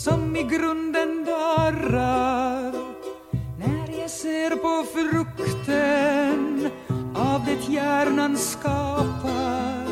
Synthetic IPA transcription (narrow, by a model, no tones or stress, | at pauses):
sɔmɪɡɾɵnd̪ənd̪ɑːɾaɾ | næɾjɑseːɾpʰɔfɾɵkt̪ən | avd̪ɛt̪ʰjæːɾnanskɑːpʰa